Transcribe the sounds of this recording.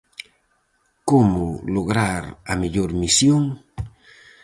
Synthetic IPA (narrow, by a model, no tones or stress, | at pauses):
komoloɣɾaɾa̰miʎoɾmisjoŋ